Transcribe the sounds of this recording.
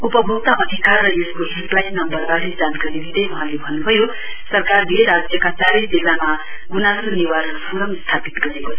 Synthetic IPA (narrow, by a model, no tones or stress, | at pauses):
upʌbʱuk̚t̪aʔʌd̪ʱikarːʌjeskoɦilplajnʌmbʌrɡaled͡zankaɾiid̪ejwʌɦãlebʱʌnːubʱʌjo | sʌrkard̪eɾad͡zjʌkat͡saɾed͡zilːama | ɡunasuniwaɾ | pʰuɾʌmst̪ʰapit̪ɡʌɾekot͡sʰ